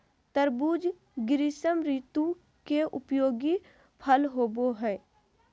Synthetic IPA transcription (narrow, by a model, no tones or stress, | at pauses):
t̪əɾbuːd͡ʒ | ɡɪɾisəmɾiːt̪ũ | keʔʊpjoːɡi | pʰəlɦoːboɦɛː